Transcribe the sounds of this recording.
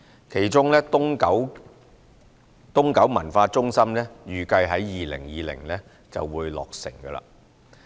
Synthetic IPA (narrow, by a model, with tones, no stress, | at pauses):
kʰe˨˩jt͡ʃʊ˥ŋlɛː˥t̪ʊ˥ŋkɐ˨˥w | t̪ʊ˥ŋkɐ˨˥wmɐ˨˩nfaː˧t͡sʊ˥ŋsɐ˥mnɛː˥jyː˨˩kɐ˧jɦɐ˨˥jːiː˨lɪ̰˨˩ŋjiː˨lɪ̰˨˩ŋlɛ˥ | t͡sɐ̰˨wːuː˨˧jlɔ̰ː˨k̚sɪ̰˨˩ŋɡə˧la̰ː˧˥